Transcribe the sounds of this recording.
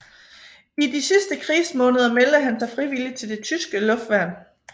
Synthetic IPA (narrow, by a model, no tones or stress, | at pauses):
idisisd̥əkʰʁiːsmɔ̽ːnəð̞ˠɐmeld̥əɦænsɑ̈ɪfʁiʋilit͡sʰe̝ld̥e̝t͡sʰysɡ̥əlɔ̽fd̥ʋæɐ̰n